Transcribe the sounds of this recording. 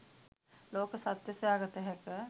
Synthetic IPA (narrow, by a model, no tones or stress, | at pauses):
loːkəsat̪jəsjaːɡət̪əɦɛkə